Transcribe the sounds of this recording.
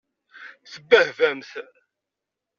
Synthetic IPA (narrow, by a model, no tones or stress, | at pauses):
θəbːəhvæmθ